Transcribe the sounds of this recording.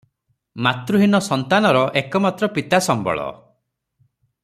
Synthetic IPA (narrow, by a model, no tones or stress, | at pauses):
mat̪ɾuɦinɔsɔnt̪anɔɾɔʔekɔmat̪ɾɔpit̪asɔmbɔ̰ɭɔ̰